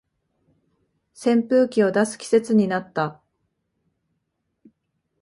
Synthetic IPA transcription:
sẽ̞mpɯ̟ːkʲio̞d̪asɨ̥kʲi̥se̞t͡sɨɲ̟inat̪ːa

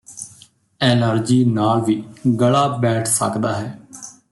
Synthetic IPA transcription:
ɛːnəɾd͡ʒiːnaːlʋiːɡəɭaːbɛːʈʰsə̰kd̪aːɦɛː

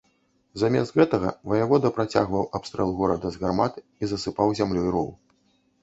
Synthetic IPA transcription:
zamʲɛst̪ɣɛt̪ɐɣɐ̰vɐjavɔd̪ɐpɾat͡sʲa̰ɣvɐwapst̪ɾɛ̰lˠɣɔɾɐd̪ɐzɣarmat̪ | izɐsɨpawzʲamlʲuiɾɔ̰wˠ

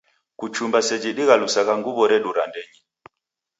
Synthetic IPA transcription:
kut͡ʃumbasɛd͡ʒiɗiɣalusaɣaŋɡuβɔɾɛɗuɾa̰ndɛɲi

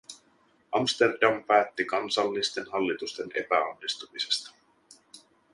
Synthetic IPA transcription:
ʔɑmst̪e̞rdɑmpæːt̪ːikɑnsɑlːist̪e̞nɦɑlːit̪ust̪e̞ne̞̰pæo̰nːist̪umise̞̥st̪ɑ̥

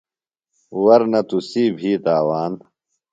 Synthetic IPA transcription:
wɐɾnɐt̪usiːbʱiːt̪aːwaːn

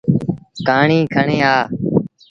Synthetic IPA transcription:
kaːɳĩːkʰəɳẽːaː

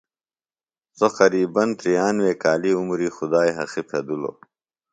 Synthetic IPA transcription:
soqɐɾiːbɐnt̪ɾijaːnweːkaːliumɾixud̪aːjɦɐ̰xipʰed̪ulo̰

